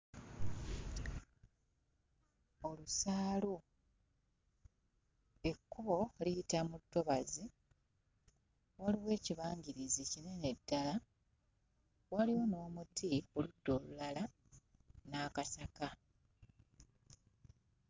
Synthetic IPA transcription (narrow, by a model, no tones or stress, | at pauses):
o̞lusaːlu | e̞kːuβo̞liitamutːo̞βazi | waliwe̞ːciβaːɲɟiɾizicine̞ne̞dːala | waliwo̞no̞ːmutʰioludːo̞ːlulala | naːkasaka